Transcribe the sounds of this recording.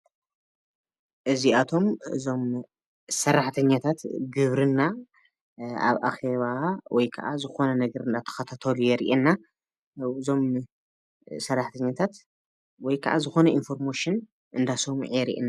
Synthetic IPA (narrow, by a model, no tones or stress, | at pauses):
ʔɨziat̪ʰo̞mɨ̰zo̞m | sɐrːaħt̪ʰɐɲːat̪ʰat̪ɡɨβɾɨnːa | a̰βʔa̰xe̞βawɔjkʰɐʔazɨxo̞nɐnɐɡɐɾɨnd̪at̪ʰɐ̥xɐt̪ʰat̪ʰɐlujɛɾḭʔenːa | ɨzo̞m | sɐrːaħt̪ʰɐɲːat̪ʰat̪ | wɔjkʰɐ̰ʔazɨxo̞nɐinfo̞ɾmoʃɨn | ʔɨnd̪asɐmʕijɛɾḭʔɛ̰nːa